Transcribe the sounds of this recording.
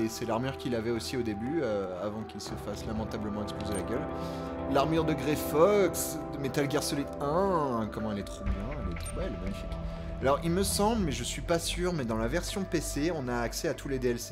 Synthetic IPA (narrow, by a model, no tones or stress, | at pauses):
esɛlaʁmyʁkʲilavɛosiod̪ebyøavɑ̃kilsəfaslamɑ̃t̪abləmɑ̃ɛkspozelaɡʲœl | laʁmyʁd̪əɡʁefɔks | əmet̪alɡʲɛʁsɔlit̪ɛ̃kɔmɑ̃ɛlɛt̪χobjɛ̃ɛlɛt̪χobɛlmaɲifik | alɔʁilməsɑ̃blmɛʒəsɥipasyʁmɛd̪ɑ̃lavɛʁsjɔ̃peseɔ̃naːksɛat̪ʰuled̪eɛlse̥